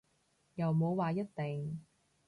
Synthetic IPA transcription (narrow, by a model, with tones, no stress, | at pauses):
jɐ˨wmo˨˧wwaː˨jɐ˥t̚t̪e˨ŋ